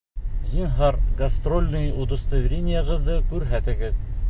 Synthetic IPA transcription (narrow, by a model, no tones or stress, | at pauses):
zʲinɦɑrɡɐst̪rolʲnɤjod̪ə̆st̪ovʲɾʲenʲɪjəʁɤ̆ðːɤkʉɾɦæt̪ɘ̆ɡɘð